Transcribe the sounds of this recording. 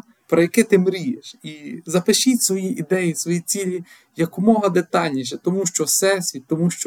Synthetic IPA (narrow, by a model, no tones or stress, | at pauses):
pɾɔjɐkɪt̪ɪmɾʲijeʃizɐpɪʃitʲsʋɔjiʔid̪ɛjisʋɔjit͡sʲilʲi | jɐkʊmɔɦɐd̪et̪ɑlʲnʲiʃɛt̪ɔmuʃt͡ʃɔsɛsʲit̪ɔmuʃt͡ʃɔ